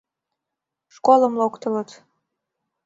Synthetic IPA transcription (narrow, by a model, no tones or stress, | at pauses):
ʃkoləmlokt̪ələt̪